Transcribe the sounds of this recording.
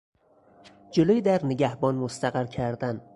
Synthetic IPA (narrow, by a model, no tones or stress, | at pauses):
d͡ʒʊlɪjd̪aɾnɪɡʲahbɒnmʊst̪ʰaqɨɾkʲʰaɾd̪an